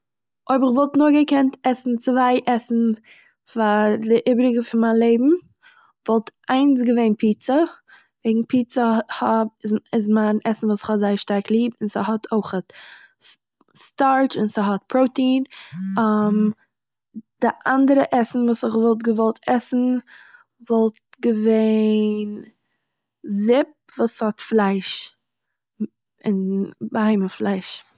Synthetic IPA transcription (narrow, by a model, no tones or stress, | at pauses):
oɪbɪχvɔlˠtnʊɡəkɛntɛsn̩t͡svaɪʔɛsn̩ | fadɪʔɪbɾɪɡəfɪnmaːnlˠeɪbm̩ | vɔlˠtʰʔaɪns̬ɡəveɪnpʰiːt͡sə | vɛɪɡŋ̩pʰiːt͡səhɔb̚ɪzɪzmaɪnɛsn̩vuːsɪ̥χhɔtzaɪʃtaɾklˠiːpɪnsɪɦɔtʰoɪχət | staɾt͡ʃɪnsɪɦɔt̚pʰɾoʊtiːnam | d̥ɪʔandəɾəʔɛsn̩vuːsɪχvɔlˠt̬ɡəvɔlˠtʰɛsn̩ | vɔlˠt | ɡəveɪn | zɪp̚vuːshɔtflˠaɪʃ | ɪnbəhaɪməflˠaɪʃ